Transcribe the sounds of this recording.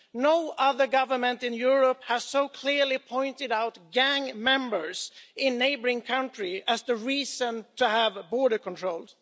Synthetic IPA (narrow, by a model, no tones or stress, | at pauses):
noʊʔʌðə˞ɡʌvə˞mə̃ntɨ̃njʊɹɔp̚həz̥soʊkʰl̥ɪɹlipʰɔ̃ɪ̃ntɨɾaʊtɡæ̃ŋmɛ̃mbə˞sɪ̃nːeɪbə˞ɪ̃ŋkʰãʊ̃ntɹiɨzðəɹiːsə̃ntʰɨəvbɔɹɾə˞kɔ̃ntʰɹoʊlˠd̥